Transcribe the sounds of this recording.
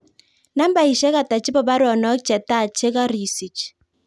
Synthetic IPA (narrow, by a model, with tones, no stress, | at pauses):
na˦m˦ba˨i˨ʃɛ˦ka˨ta˨t͡ʃɪ˦bɔ˦˨ba˦ɾɔ˨nɔ˦kt͡ʃɛ˨ta˦˨t͡ʃe˦ka˦ɾi˨si˨t͡ʃ